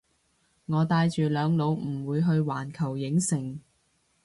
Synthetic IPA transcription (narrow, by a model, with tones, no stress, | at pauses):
ŋɔː˨˧t̪aː˧jt͡ʃyː˨˩lœː˨˧ŋlo˨˧wm̩˨˩wuː˨˧jɦɵ˧ɥwaː˨˩nkʰɐ˨˩wjɪ˨˥ŋsɪ˨˩ŋ